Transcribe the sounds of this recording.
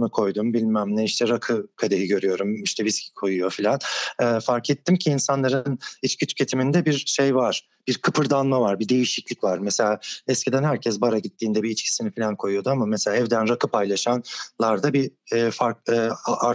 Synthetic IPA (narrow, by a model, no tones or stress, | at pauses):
nɯkʰo̞jd̪umbilʲmæmnʲɛiʃt̪ʰɛɾakʰɯkʰad̪eiɟø̞ɾyjo̞ɾumiʃt̪ʰɛbizcʰi̥kʰo̞jujo̞filʲanːfaɾkʰɛt̪ʰːimcʰiːnsanlˠaɾɯnit͡ʃcʰyt̪ʰy̥cʰʲe̞t̪ʰimind̪ɛbiɾʃe̞jvaɾ̥ | b̥iɾkʰɯpʰɯɾd̪anˠmavaɾbid̪e̞jiʃiclʲicvaɾmɛse̞lʲaːɛscid̪ænhæɾcʰɛsbaɾaɟit̪ʰːiːnd̪ɛbiːt͡ʃcʰi̥sinifilʲankʰo̞jujo̞d̪uamamɛselʲaːɛvd̪ænɾakʰɯpajlˠaʃanlˠaɾd̪abiːfaɾkːa